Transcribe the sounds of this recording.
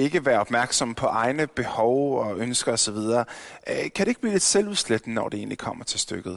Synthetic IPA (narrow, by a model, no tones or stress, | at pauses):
e̝ɡ̥əʋæːɐɒ̽b̥mæɐɡ̥sɒ̽mpʰɒ̽ʔɑ̈ɪnəb̥e̝hɒʊɒønsɡ̥ɐɒ̽sɒ̽ʋið̞ˠɐːkʰædɾe̝eɡ̥̚b̥liːle̝d̥seluðˠsled̥n̩nɒ̰d̥ee̝̰ːnlikʰɒ̽m̰ɐt͡sʰe̝lsd̥øɡ̥ð̩ˠ